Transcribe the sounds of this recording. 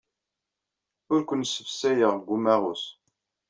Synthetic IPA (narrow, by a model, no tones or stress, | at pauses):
ʊɾkʷənsːəfsæjəʁɡʷumæʁʊs